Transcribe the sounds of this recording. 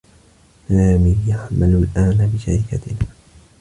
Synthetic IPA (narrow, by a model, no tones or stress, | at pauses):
naːmɪjaħmalʊlʔaːnabɪʃaɾɪkat̪ɪnaː